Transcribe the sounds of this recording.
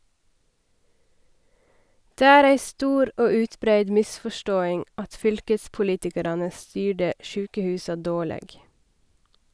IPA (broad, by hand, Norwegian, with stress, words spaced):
ˈdeː ˈæːɾ ˈæɪ ˈstuːɾ ˈoː ˈʉːtˌbɾæɪd ˈmɪsfɔˌʃtoːɪŋ ˈɑt ˈfʏlkəspʊˌliːtɪkɑɾɑnə ˈstyːɖə ˈʃʉːkəˌhʉːsɑ ˈdoːˌɭeːɡ